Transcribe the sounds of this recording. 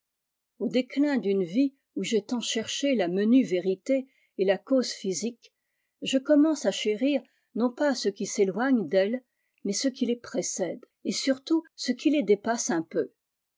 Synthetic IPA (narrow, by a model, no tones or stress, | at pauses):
od̪eklɛ̃d̪ynvi | uʒet̪ɑ̃ʃɛʁʃelamənyveʁit̪eː | lakozfizik | ʒəkɔmɑ̃saʃeʁiʁ | nɔ̃pasəkʲiselwaɲd̪ɛl | mɛsəkʲilepχesɛd̪ | esyʁt̪usəkʰʲiled̪epasɛ̃pø